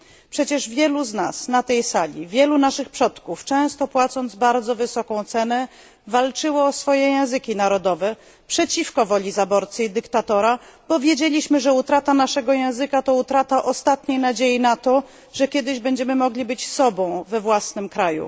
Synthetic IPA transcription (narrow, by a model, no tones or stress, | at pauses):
pʂɛt͡ɕɛʐvʲjɛluzna̰snat̪ɛjsalʲḭvʲjɛlunaʂɘxpʂɔt̪kuft͡ʂɛ̃w̃st̪ɔpwat̪sɔnd̪zbaɾd̪zɔvɘsɔkɔ̃w̃t̪sɛnɛ | valt͡ʂɘwɔːsfɔjɛjɛ̃w̃zɘkʲinaɾɔd̪ɔvɛ | pʂɛt͡ɕifkɔvɔlʲizabɔɾt̪sɘid̪ɘkt̪at̪ɔɾab̥ɔvʲjed͡ʑelʲiɕmɘʐɛut̪ɾat̪anaʂɛɡɔjɛ̃w̃zɘkat̪ɔut̪ɾat̪aʔɔst̪at̪ɲejnad͡ʑejinat̪ɔ | ʐɛkʲjɛd̪ɘʑbɛɲd͡ʑɛmɘmɔɡlʲibɘt͡ɕsɔbɔ̃w̃vɛvwasnɘmkɾajṵ